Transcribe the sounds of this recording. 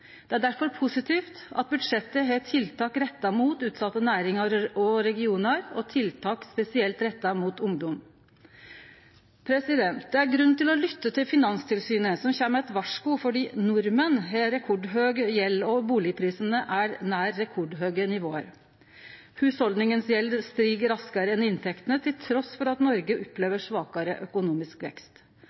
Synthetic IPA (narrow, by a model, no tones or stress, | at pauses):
d̪̥ɛæɖæɾfɔɾpʰʊsɪt̪ʰiːft̪ɑ̰t̪̚bʉd̪ʂɛt̪ːəɦeːt̪ʰɪlt̪ʰɑːkɾɛt̪ːɑmuːt̪ʉːt̪sɑt̪ːənæːɾɪŋɑɔɾɛɡɪuːnɑɾɔt̪ʰɪlt̪ʰɑːkspɛsɪɛlt̪ɾɛt̪ːɑmuːt̪ʊŋd̪ɔm | pʰɾɛsɪd̪ɛnt̪̚d̪ɛæɾɡɾʉnːt̪ɪlɔlʏt̪ːət̪ʰɪlfɪnɑnst̪ʰɪlsyːnəsɔmçæːməɛt̪ʋɑʂkʊfɔɖiːnʊɾmənɦɛɾɛkʰɔɖɦøːɡjɛlːɔbuːlɪəpʰɾiːsən̩əʔæɾnæːɾːɛkʰɔɖɦøːɡənɪʋoːə̰ɾ | hʉːshɔld̪nɪŋənsjɛlst̪ɾiːɡəɾɑskɑɾəɛnɪnt̪ʰɛkt̪ənət̪ʰɪlt̪ʰɾɔsfɔɾɑt̪nɔɾɡəʔɔpːleːʋəʂʋɑːkɑɾəʔœkʊnuːmɪskʋɛ̰kst̪